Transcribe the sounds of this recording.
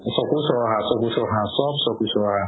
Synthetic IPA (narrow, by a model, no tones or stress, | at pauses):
sɔkusɔɔɦãsɔkusɔɦãsɔbsɔkusɔɔɦã